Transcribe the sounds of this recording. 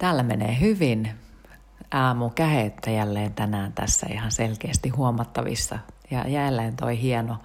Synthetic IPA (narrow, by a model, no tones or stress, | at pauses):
t̪æːlːæmenḛːhyʋin | ʔɑːmukæhet̪ːæjælːeːnt̪ænæːnt̪æ̰sːæ̰ḭhɑnselkeːst̪ihuomɑt̪ːɑʋḭsːɑjɑ̰jælːeːnt̪o̰ihiɛno